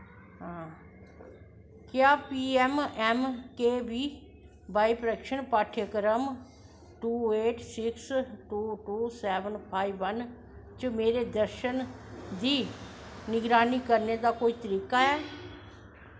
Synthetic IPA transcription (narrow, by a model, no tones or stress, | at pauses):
ɦãː | kjaːpiːɛmɛmkeːʋiː | baːipəɾəkʃəɳpaːʈʰjəkɾəm | ʈuːeːʈʰsɪksʈuːʈuːsɛːʋənpʰaːiʋən | t͡ʃəmeːɾeːd̪əɾʃənd̪iːnɪɡɾaːniːkəɾned̪aːkoːiːt̪əɾiːkaːɛː